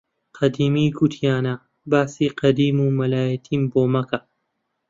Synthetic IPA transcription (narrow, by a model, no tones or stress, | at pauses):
qʰɐd̪iːmiːɡut̪ʰijaːna | baːsiːqɐd̪iːmuːmɐlaːjɐt̪ʰiːmboːmɐka